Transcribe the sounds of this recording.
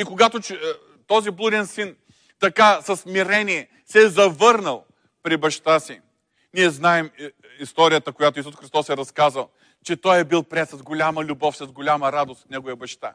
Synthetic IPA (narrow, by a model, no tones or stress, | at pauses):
ikoɡat̪ot͡ʃɛ | t̪ɔziblˠud̪ɛnsin | t̪ɐkasɐsmiɾɛniɛ | sɛzɐvɤɾnəlˠ | pɾibɐʃt̪asi | niɛznaɛm | ist̪ɔɾʲijət̪əkojat̪oisusxɾist̪ɔsɛɾɐskazəlˠ | t͡ʃɛt̪ɔjɛbilˠpɾɛt̪sɐzɡolʲaməlʲʊbɔfsɐzɡolʲaməɾad̪ost̪nɛɡovɐjəbɐʃt̪a̰